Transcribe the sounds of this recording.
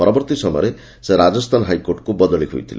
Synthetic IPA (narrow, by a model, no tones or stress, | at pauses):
ɔɾɔbɔɾt̪isɔmɔɾe | seɾad͡ʒɔst̪ʰanɦajkoɾʈkubɔd̪ɔɭiɦṵjt̪ʰile